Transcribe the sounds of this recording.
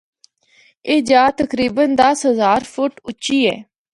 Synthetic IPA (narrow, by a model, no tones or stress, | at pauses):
eːd͡ʒaːt̪əkɾiːbənd̪əsɦəzaːɾpʰʊʈʊt͡ʃiːɛ̰ː